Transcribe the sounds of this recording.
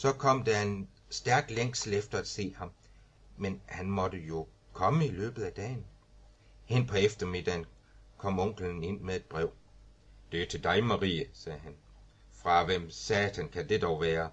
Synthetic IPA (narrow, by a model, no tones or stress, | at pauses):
sɒ̽kʰɒ̽m̰d̥æe̝n | sd̥æɐɡ̥leŋ̰slefd̥ɐæd̥se̝̰ːhɑ̈m | menhænmɒ̽d̥əjo̝ | kʰɒ̽məilø̰ːb̥ð̩ˠæd̥ɛ̰ːn | hen̰pʰɒ̽efd̥ɐme̝d̥æn | kʰɒ̽m̰ɔ̽ŋ̰ɡ̥ləne̝n̰meðˠe̝d̥̚b̥ʁɛʊ̰ | d̥e̝ɐt͡sʰe̝ld̥ɑ̈ɪmɑ̈ʁiːəsɛːɦæn | fʁɑ̈ʋem̰sɛːt͡sʰænkʰæd̥e̝d̥ɒʊʋæːɐ